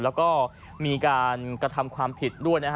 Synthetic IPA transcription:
lɛː˦˥wkɔː˥˩ | miː˧kaː˧nkɾa˧t̪ʰa˧mkʰwaː˧mpʰi˨˩t̪̚du˥˩əjna˦˥kʰ

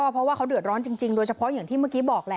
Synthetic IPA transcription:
ɔː˥˩pʰɾɔ˦waː˥˩kʰa˦˥wdɯ˨˩ə˩t̪̚ɾɔː˦˥nt͡ɕi˧ŋt͡ɕi˧ŋdoː˧jt͡ɕʰa˧pʰɔ˦˥jaː˨˩ŋt̪iː˥˩ma˥˩kiː˦˥bɔː˨˩k̚lɛ˧

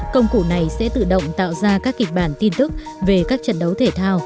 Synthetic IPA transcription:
kə˧wŋ͡mku˧˩na˨˩jsɛ̰˧˥t̪ɨ̰˧˨ɗə̰˧˨wŋ͡mt̪a̰ː˧˨wzaː˧kaː˦˥kːï˨˩k̟̚ɓaː˧˩nt̪i˧nt̪ɨ˦˥k̚ | ve˨˩kaː˦˥k̚t͡ɕə̰˧˨nɗə˨˦wt̪ʰe˧˩t̪ʰaː˧w

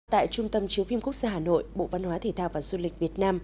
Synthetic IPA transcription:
t̪a̰ː˧˨jt͡ɕʊ˧ŋ͡mt̪ə˧mt͡ɕi˨˦wfi˧mku˦˥ək̚zaː˧ɦaː˨˩no̰˧˨jɓo̰˧˨va˧nhwaː˨˦t̪ʰe˨˧˩t̪aː˧wvaː˨˩zu˧lï˨˩k̟̚vi˨˩ət̚naː˧m

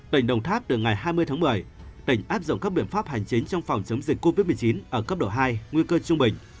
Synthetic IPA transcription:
t̪ï˧˩ŋ̟ɗə˨˩wŋ͡mt̪ʰaː˦˥p̚t̪ɨ˨˩ŋa˨˩jɦaː˧jmɨ˧əjt̪ʰaː˨˦mɨ˨˩əjt̪ï˧˩ŋ̟ʔaː˦˥p̚zʊ̰˧˨ŋ͡mkaː˦˥k̚ɓḭ˧˩ənfaː˦˥p̚ha˨˩jŋ̟t͡ɕï˨˦ŋ̟t͡ɕɔ˧wŋ͡mfɔ˨˩wŋ͡mt͡ɕə˨˦ŋ͡mzi˨˩k̟̚ko˧vi˦˥t̚m˨˩t͡ɕi˨˦nʔəː˧˩kə˦˥p̚ɗo̰˧˨˩ɦaː˧jŋwi˧kəː˧t͡ɕʊ˧ŋ͡mɓï˨˩ŋ̟

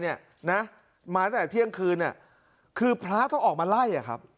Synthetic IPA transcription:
ni˥˩ɐ | na˦˥ | maː˧t̪ɛː˨˩t̪ʰi˥˩əŋkʰɯː˧nːi˥˩ə | kʰɯː˧pʰɾaː˦˥t̪ʰa˥˩ŋʔɔː˨˩k̚maː˧la˥˩jʔa˨˩kʰa˦˥p̚

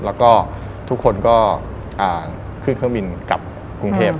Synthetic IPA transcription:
lɛː˦˥wkɔː˥˩ | t̪ʰu˦˥kʰːo˧nkɔː˥˩ | ʔaː˨˩ | kʰɯ˥˩ŋkʰɯ˥˩˨bi˧nka˨˩p̚ | ku˧ŋt̪ʰeː˥˩p̚

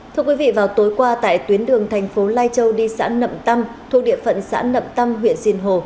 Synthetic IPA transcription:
t̪ʰɨ˧əkwi˨˦vḭ˧˨vaː˨˩wt̪o˨˦jkwaː˧t̪a̰ː˧˨jt̪wi˨˦ənɗɨ˨˩əŋt̪ʰɛ˨˩jŋ̟fo˨˦laː˧jt͡ɕə˧wɗi˧sa̰ː˧˥nə̰˧˨mt̪a˧mt̪ʰu˧˩k̚ɗḭ˧˨əfə̰˧˨nsa̰ː˧˥nə̰˧˨mt̪a˧mɦwḭ˧˨ənzi˧nɦo˨˩

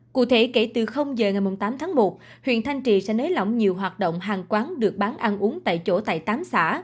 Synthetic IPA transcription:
kṵ˧˨t̪ʰe˧˩ke˧˩t̪ɨ˨˩xə˧wŋ͡mzəː˨˩ŋa˨˩jmʊ˨˩ŋ͡mt̪aː˨˦mt̪ʰaː˨˦ŋmo˨˩t̚ | hwḭ˧˨ənt̪ʰa˧jŋ̟t͡ɕḭ˧˨sɛ̰˧˥nəː˨˦jla̰˧˨wŋ͡mɲi˨˩əwɦwaː˨˩t̚ɗo̰˧˨wŋ͡mɦaː˨˩ŋkwaː˨˦nɗɨ˨˩ək̚ɓaː˨˦nʔaː˧nʔu˨˦əŋt̪a̰ː˧˨jt͡ɕo̰˧˩t̪a̰ː˧˨jt̪aː˨˦msa̰ː˧˥

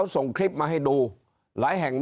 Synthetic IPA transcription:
sɔ˨˩ŋkɾi˦˥p̚maː˨ɦa˧˩jɗo˧˩ | la̰ː˧˨˦jɦɛ̰ː˨˩ŋm

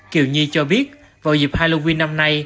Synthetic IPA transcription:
kḭ˨˧˩wɲi˧t͡ɕɔ˧ɓi˦˥ət̚ | vaː˨˩wzḭ˨˩p̚haː˧lo˧wi˧nːa˧mna˧j

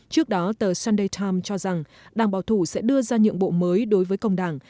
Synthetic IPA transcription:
t͡ɕɨ˦˥ək̚ɗɔ˨˦t̪əː˨˩saː˧nɗə˧jt̪ʰaː˧mt͡ɕɔ˧za˨˩ŋ | ɗaː˨˩ŋɓaː˨˩wt̪ʰu˧˩sɛ̰˧˥ɗɨ˧əzaː˧ɲɨ̰˧˨əŋɓo̰˧˨məː˨˦jɗo˨˦jvəː˨˦jkə˧wŋ͡mɗaː˧˩ŋ

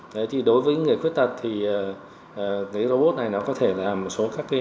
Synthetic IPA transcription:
ə˨˧˦jt̪ʰi˨˩ɗo˨˦jvəː˨˦˨ŋɨ˨˩əjxwi˦˥t̚t̪ə˨˩t̚t̪ʰi˨˩əː˨˩˨ | kaː˨˦zo˧ɓo˦˥t̚na˨˩jnɔ˨˦kɔ˨˦t̪ʰe˧˩laː˨˩mo˨˩t̚so˨˦kaː˦˥kːa˨˦

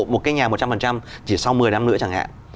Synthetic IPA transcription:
mo˨˩t̚kaː˨˦jɲaː˨˩m˨˩t̚t͡ɕa˧mfə˨˩nt͡ɕa˧mt͡ɕi˧˩sa˧wmɨ˨˩əjna˧mnɨ̰˧˥t͡ɕaː˧˩ŋha̰ː˧˨n

